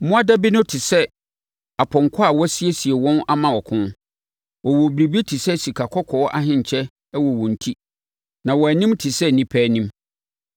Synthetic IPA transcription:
mʊ̃˦a˦da˦bi˦nʊ̃˦tʰɪ˨sɛ˦ | a˨pʰɔ̃˨ŋkʰɔ˦a˨wɔ˦si˦e˦si˨e˨wɔ̃˦na˦mã˨wɔ˨kʰʊ̃˦n | wɔ˨wɔ˨bi˨ɾi˨bi˦tʰi˨sɛ˦si˨kʰa˨kʰɔ˦kʰɔ˨ɔ˦ʔa˦ɦɪ̃˦ɲ˨t͡ɕʰɛ˦ | wɔ˨wɔ̃˨n̩˨tʰi˦ | nã˨wɔ˨æ˨nĩ˦mtʰɪ˨sɛ˦nĩ˨pʰæː˦nĩ˦m

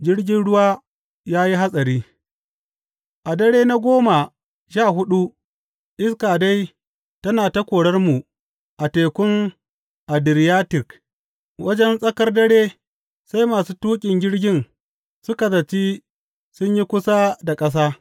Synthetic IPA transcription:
d͡ʒɪ˦ɽɡʲɪ˦nɽʊ˦waː˦ | jaː˦ji˦ɦa˦sʼɐ˨ɾiː˦ | ʔa˨dɐ˦ɽeː˦na˦ɡʷoː˦ma˨ | ʃaː˦˨hʊ˦ɗu˦ | ʔɪ˦skaː˨da˦j | tɐ˦naː˨ta˦kʷoː˨ɽɐ˦rmu˨ | ʔa˨teː˨kʷʊ˦ŋ | ʔa˨dɪ˨ɾɪ˨jaː˦tɪ˨k | wɐ˦d͡ʒɛ˦nsʼɐ˦kɐ˦rdɐ˦ɽeː˦ | sa˦jmaː˨suː˦tuː˦kʲʼɪ˨ŋɡʲɪ˦ɽɡʲɪ˦n | sʊ˦ka˨zɐ˨t͡ʃiː˦ | sʊ˦ɲji˦kʷʊ˦sa˦da˨kʼɐ˦s̬aː˦

